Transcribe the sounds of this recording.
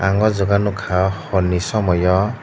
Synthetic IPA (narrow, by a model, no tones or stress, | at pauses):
aŋɡɔzɔɡanukʰahɔnisɔmɔjɔ